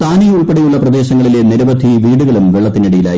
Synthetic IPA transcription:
t̪aːnijuɭpeɽɐjuɭːɐprɐd̪e̞ːɕɐŋːɐɭile̞niɾɐʋɐd̪ʱːiʋiːɽuɣɐɭumʋeɭːɐt̪ːiniɽɐjila̰ːj

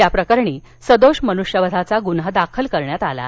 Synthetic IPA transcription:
japɾəkəɾɳiː | səd̪oɕmənuʂjəʋəd̪ʱat͡saɡunɦəd̪akʰəlkəɾɳjat̪ala̰

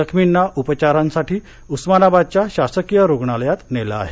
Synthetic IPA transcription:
əkʰminːaʔupət͡ɕaɾansaʈiː | usmanabad̪̚t͡ɕjaɕasəkijəɾoɡɳaljat̪nela̰ːɦe

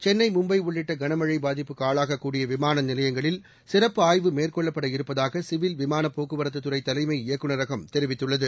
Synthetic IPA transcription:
t͡ʃɛnːɐɪmʊmbɐɪʊɭːɪʈːɐɡɐɳɐmɐɻɐɪbaːðɪpːɯkaːɭaːɣɐkːuːɽɪjɐʋɪmaːnɐnɪlɐjɐŋɡɐɭɪl | sɪrɐpːɯaːjʋɯmeːrkɔɭːɐpːɐɽɐɪɾɯpːɐðaːɣɐsɪʋɪlʋɪmaːnɐpːoːkɯʋɐɾɐt̪ːɯt̪ːɯɾɐɪt̪ɐlɐɪmɐɪɪjɐkːɯnɐɾɐɣɐmt̪ɛɾɪʋɪt̪ːɯɭːɐðɯ

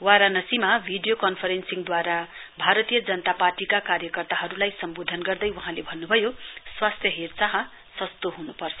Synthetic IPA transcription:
waɾanʌsimabʱiɖijokʌnpʰʌɾensiŋd̪waɾabʱaɾʌt̪ijʌd͡zʌnʌt̪aparʈikakarjʌkʌrt̪aɦʌɾulajsʌmbod̪ʱʌnɡʌrd̪ʌjwaɦãlebʱʌnːubʱʌjoswast̪ʰjʌɦert͡saɦʌ̃ | sʌst̪oɦunupʌrt͡sʰʌ

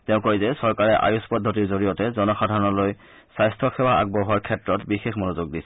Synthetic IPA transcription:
tɛʊ̃kojzɛsɔɹkaɹɛʔa̰juspɔdʱːɔtiɹzoɹijɔtɛzɔnɔxadʱaɹɔnɔloj | sajstʰɔxʰɛwaa̰ɡ̚bɔɦɔɹkʰɛtɹɔtbixexmonozuɡ̚disɛ̥

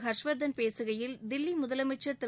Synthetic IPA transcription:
ɦɐʂʋɐɾd̪ɐnpeːsɯɣɐjɪld̪ɪlːimʊðɐlɐmɐt͡ʃːɐɾt̪ɪ

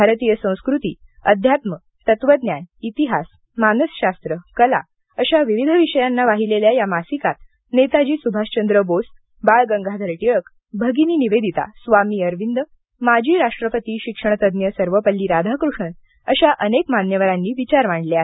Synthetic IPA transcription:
bʱaɾət̪ijəsə̃w̃skɾut̪ḭːəd̪ʱjat̪mə | t̪ət̪ʋəd̪njanit̪iɦas | manəsɕast̪ɾəkəla̰ | əɕaʋiʋid̪ʱəʋiɕəjanːaʋaɦileljajamasikat̪ | net̪ad͡ʑiːsubʱaɕt͡ɕənd̪ɾəbost̪ | baɭɡəŋɡʱad̪ʱəɾʈiɭək | bʱəɡiniːniʋed̪ʱit̪a̰sʋamiːəɾʋind̪ə | mad͡ʑʱiːɾaʂʈɾəpət̪iːɕikʂəɳ̃t̪əd̪njəsəɾʋəpəlːiːɾad̪ʱakɾuʂən | əɕaʔənekmanjəʋəɾanːiːʋit͡ɕaɾmaɳɖleaɦe

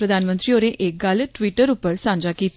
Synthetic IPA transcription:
ɾəd̪ʱanmənt̪ɾioɾẽʔek̚ɡalʈʋiʈəɾupəɾsãɲd͡ʑakit̪

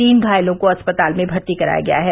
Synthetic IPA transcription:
iːnɡʱaːjlõkoɐspɐt̪aːlmẽbʱɐɾt̪ikɐɾa̰ːja̰ɡɐja̰ɦɛː

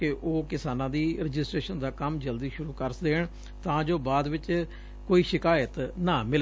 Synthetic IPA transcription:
keʔoːkɪsaːnãːd̪iːɾɪd͡ʒɪsʈɾeːʃənd̪aːkəmd͡ʒəld̪iːʃʊɾuːkəɾsd̪eːɳ | t̪ãːd͡ʒoːbaːd̪ʋɪt͡ʃ | koːiːʃɪkaːjət̪nãːmɪl

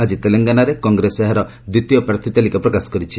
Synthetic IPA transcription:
ad͡ʒit̪eleŋɡanaɾekɔŋɡɾeseɦaɾɔ | d̪wit̪ijɔpɾat̪ʰit̪alikapɾɔkasɔ̥kɔɾit͡ʃʰi

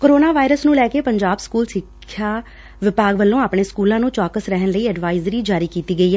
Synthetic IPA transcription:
koɾoːnaːʋaːɪɾəsnũːlɛːkeːpəɲd͡ʒaːbskuːlsɪkʰːjjaː | ʋɪpaːɡʋəlːõːaːpɳeːskuːlãːnũːt͡ʃaːkəsɾɛɦənləiːɛɖʋaːɪzɾiːd͡ʒaːɾiːkiːt̪iːɡəiːɦɛː

